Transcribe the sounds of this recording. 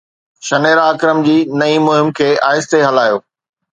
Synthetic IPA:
ʃɐneːɾaːkɪɾəmd͡ʑiːnɐimʊɦɪmkʰeːʔaːɪst̪eɦɐlaːjoː

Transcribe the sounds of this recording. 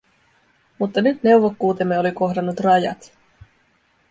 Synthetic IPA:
mut̪ːɑnyt̪ne̞wʋokːuːt̪e̞mːe̞o̞liko̞ɦdɑnːut̪rɑjɑ̰t̪

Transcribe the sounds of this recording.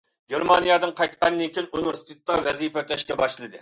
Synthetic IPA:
ɡʲeɾmɑnijɑd̪ɨŋqʰɑjt̪qɑnd̪ɪnkʲʰinuniveɾsi̥t̪ʰet̪ːɑvɛzipɛt̪ʰɛʃkʲɛbɑʃlˠɨd̪ɨ

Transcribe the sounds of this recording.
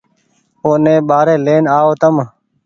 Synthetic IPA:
oːnẽːɓaːɾeːleːnaːoːt̪əm

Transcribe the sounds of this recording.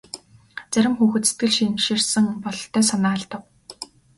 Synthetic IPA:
t͡sæɾʲɪ̆mxuːxɘ̆t̪se̥t̪̚ɡɘ̆ɮʃimʃirsɘ̆ŋpɔɮ̆ɬt̪ʰːœːsɔnaːɮt̪ə̆w̚

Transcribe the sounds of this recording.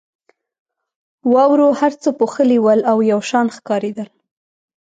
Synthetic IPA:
wɑwɾohaɾt͡səpoxəliwəlawjawʃɑnxkɑɾed̪əl

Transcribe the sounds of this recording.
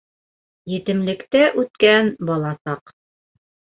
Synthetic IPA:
jɘ̆t̪ɘ̆mlɘ̆kt̪æʔʉt̪̚kænbɑlˠɑsɑq

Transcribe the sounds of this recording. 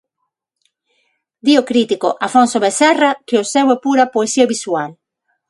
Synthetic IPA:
d̪iokɾit̪iko̰ʔafõnsoβesɛrakeosewepuɾapoesiaβiswal

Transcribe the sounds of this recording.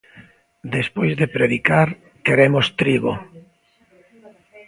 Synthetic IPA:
d̪espojzðepɾeðikaɾ | keɾemost̪ɾiɣo̰

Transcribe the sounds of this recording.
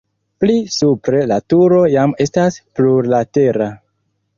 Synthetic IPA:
plisupɾe̞latuɾo̞jame̞staspluɾlate̞ɾa

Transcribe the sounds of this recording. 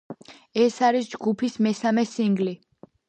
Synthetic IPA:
ɛsaɾisd͡ʒɡupʰismɛsamɛsiŋɡli

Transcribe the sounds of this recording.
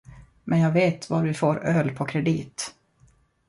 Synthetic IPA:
mʔɛnjɑːɡveːt̪vaɾvɪfoːɾœːlpʰɔkʰɾɛd̪iːt̪

